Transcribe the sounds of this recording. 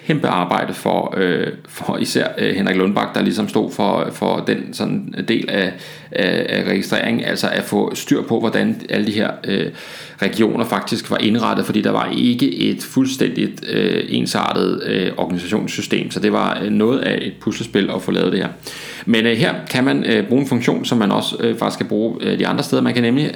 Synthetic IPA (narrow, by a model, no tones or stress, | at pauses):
hʰemb̥əɑ̈ːb̥ɑ̈ɪ̰d̥əfɒøfɒisæɐ̰henʁeɡ̥lɔ̽nb̥ɑ̈ɡ̥̚d̥ɑ̈lisɒ̽msd̥o̝̰ð̰ˠfɒfɒd̥ensɒ̽nn̩d̥e̝̰ːlæ | æʁɛɡ̥isd̥ʁɛ̰ɐ̰eŋn̩æl̰sɒʔæfɔ̰̽sd̥yɐ̰pʰɒ̽ʋɒd̥ænæləd̥iɦeɐ̰ø | ʁɛɡ̥io̝̰ːnɐfɑ̈ɡ̥̚d̥isɡ̥ʋɑ̈ʔe̝nʁɑ̈d̥əð̩ˠfɒ̽d̥ḭːd̥ɑ̈ʋɑ̈ʔe̝ɡ̥əʔe̝d̥fulsd̥en̰d̥id̥øe̝̰ːnsɑ̰̈ːd̥ð̩ˠøɒɡ̥ænisæɕo̝̰ːnsːysd̥e̝̰ːmsɒ̽d̥e̝ʋɑ̈nɔ̽ːð̩ˠæʔe̝d̥̚pʰusləsb̥e̝lɒ̽fɔ̽lɛ̰ːðˠd̥ehe̝ɐ | menɦe̝ɐ̰kʰæmænøb̥ʁuːe̝nfɔ̽ŋɕo̝̰ːnsɒ̽mːænɒ̽søfɑɡ̥isɡkʰæb̥ʁuːd̥iɑ̈nd̥ʁɐsd̥eð̞ˠɐmænkʰænemli